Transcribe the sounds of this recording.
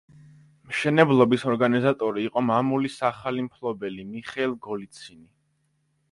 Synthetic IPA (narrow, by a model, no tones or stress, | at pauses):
mʃɛnɛblˠɔbisɔɾɡanizat̪ʼɔɾiːqʼɔmamulisaχalimpʰlˠɔbɛlimiχɛlˠɡɔlit̪sʰini